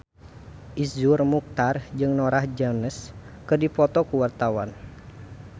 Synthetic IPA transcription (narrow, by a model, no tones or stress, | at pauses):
ʔisurmuk̚t̪ard͡ʒɨŋnɔɾahd͡ʒanəs | kɨrdipɔt̪ɔkuwart̪awan